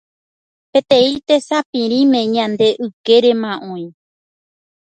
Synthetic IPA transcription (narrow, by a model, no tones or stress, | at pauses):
pe̞t̪ẽit̪e̞sapĩɾĩmẽ̞ɲãnd̪e̞ʔɨke̞ɾe̞mãʔõj̃